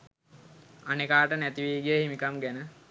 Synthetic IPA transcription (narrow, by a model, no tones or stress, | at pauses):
anekaːʈənæt̪iʋiːɡijəhimikamɡænə